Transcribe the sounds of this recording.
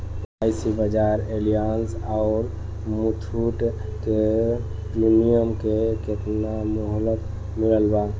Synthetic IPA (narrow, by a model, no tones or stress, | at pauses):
ajsibəd͡ʒaɾelijansaʊɾ | mut̪ʰuʈ | ke | pɾinijəmkeket̪namɔɦlət̪ | miləlba